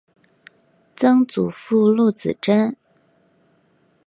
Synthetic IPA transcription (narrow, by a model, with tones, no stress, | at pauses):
t͡sɤ˥ŋt͡su˨˩fu˥˧lu˥˩t͡sɹ̩̰˨˩ʈ͡ʂə˥n